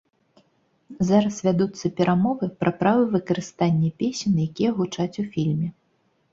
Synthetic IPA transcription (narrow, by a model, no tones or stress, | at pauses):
zaɾɐsvʲad̪ut̪sːɐpʲɛɾʔamɔvɨpɾʔɐpɾavɨvɨkɐɾɨst̪anʲːɛpʲesʲɛnjakʲijɛɣut͡ʂat͡sʲufʲilʲmʲɛ